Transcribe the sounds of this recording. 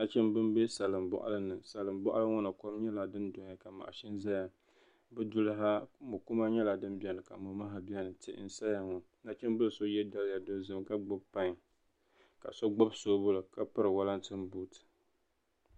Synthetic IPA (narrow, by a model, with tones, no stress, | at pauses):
na˦t͡ʃɛ˦mbɨ˦mbe˦sa˨lɨ˨mbɔ̰˦ʔa̰˦lɨ˦nɨ˨sa˨lɨ˨mbɔ˦ʔa̰˦lɨ˦ŋɔ˦nɨ˨kɔ˦mɲɛ˦la˨dɨ˦ndʊ˨˦a˨ka˨ma̰˨ʔa˨ʃɪ˦nza˦ja˨ | bɨ˦dʊ˦lɨ˦ɦa˦mʊ˨kʊ˦ma˦ɲɛ˦la˨dɨ˦nbi˦ɛ˦nɨ˨ka˨mʊ˨ma˦ɦa˦bɛ˦nɨ˨tɪ̰˦ʔn̩˦sa˦ja˨ŋɔ˨ | na˦t͡ʃɛ˦m˦bɨ˦lso˦jɛ˦da˦lja˨do˨˦˨zɨ˨mka˦ɡ͡bʊ˦bpa˦ŋ˨ | ka̰˨so˦ɡ͡bo˦bso˦bʊ˦lɨ˨ka˦pɨ˦ɾɨ˨wa˦la˦ntɨ˦mbu˦tɨ̥˨